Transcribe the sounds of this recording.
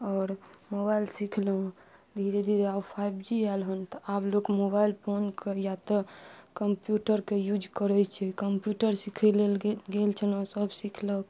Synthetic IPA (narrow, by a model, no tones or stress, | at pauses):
ɔːɾmobailsikʰləɦd̪ʱiɾed̪ʱiɾeabpʰajbd͡ʒiɛlɦənt̪ɔablokmobailpʰonkejat̪əkəmpjuʈəɾkejud͡ʒkəɾɛt͡ʃʰɛkəmpjuʈəɾsikʰɛlelɡelt͡ʃʰəlɦɔ̃səbsikʰlək